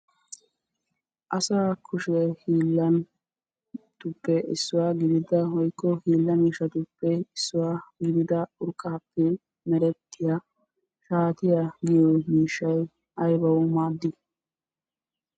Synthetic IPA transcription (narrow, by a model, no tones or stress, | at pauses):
ʔɐsaːkʰʊʃɛhiːlːɐn | t̪ʊpːɛɪ̰sːʊwaːɡɪd̪ɪd̪ɐhɔjkːɔhiːlːɐmiːʃɐt̪ʊpːɛɪsːʊwaːɡɪd̪ɪd̪ɐʊɾkʼːaːpːɛ | mɛɾɛt̪ːɪja | ʃaːt̪ɪjaɡɪjɔmiːʃːɐj | ʔɐjbɐwʊmaːd̪ːɪ